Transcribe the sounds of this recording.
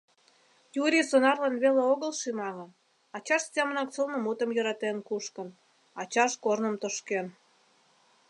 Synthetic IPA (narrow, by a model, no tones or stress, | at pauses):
juɾʲisonɑrlenβeleoɣəlʃimɑŋɤ̆n | ɑt͡ɕɑʃst̪ʲɑmə̆nɑkt͡səlnə̆mut̪ə̆mjə̆ɾɑt̪enkuʃkə̆n | ɑt͡ɕɑʃkornə̆mt̪əʃken